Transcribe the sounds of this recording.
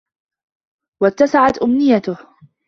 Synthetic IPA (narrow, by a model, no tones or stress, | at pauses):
wat̪ːasaʕat̪ʔʊmnɪjat̪ʊh